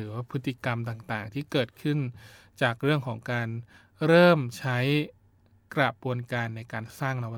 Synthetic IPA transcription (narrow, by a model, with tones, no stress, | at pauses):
ɯː˩˦waː˥˩pʰɯ˦˥t̪ʰːi˧ka˧mt̪aː˨˩ŋt̪aː˨˩ŋt̪ʰiː˥˩kɤː˨˩t̪̚kʰɯ˥˩n | t͡ɕaː˨˩k̚ɾɯ˥˩əŋkʰɔː˩˦ŋkaː˧n | ɾɤː˥˩mt͡ɕʰa˦˥j | kɾa˨˩pu˧ənkaː˧nːa˧jkaː˧nsaː˥˩ŋna˧wa˦